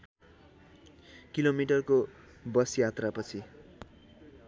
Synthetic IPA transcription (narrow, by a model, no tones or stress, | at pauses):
kilomiʈʌrko | bʌsjat̪rapʌt͡sʰi